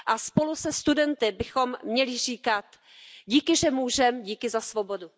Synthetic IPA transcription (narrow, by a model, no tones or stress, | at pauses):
ʔaspo̞lusɛst̪udɛnt̪ɪbɪxo̞mːɲɛlɪr̝iːkat̪ | ɟiːkɪʒɛmuːʒɛmɟiːkɪzasvo̞bo̞du